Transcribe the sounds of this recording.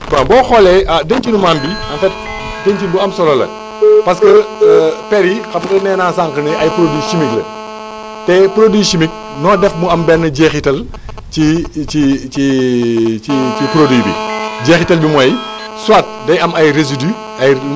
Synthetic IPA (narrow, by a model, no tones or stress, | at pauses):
bɐbɔːxɔlɛɐdəɲt͡ʃinumaːmbiɐnfɛt̚ | dəɲt͡ʃibuɐmsɔlɐlɐ̰ | pɐs̬kəpɛɾixɐbkɐnɛːnaːsaːŋkənɐʔɐjpɾodiʃimiklɐ̰ | tɛːpɾodwiːʃimik̚ | nɔːdɛfmuɐmbɛrnːɐɟeːxitɐl | t͡ʃiit͡ʃi | it͡ʃipɾodijbḭɟeːxitɐlbimɔj | swaːt̚dɐjɐmɐjrezidy | ɐj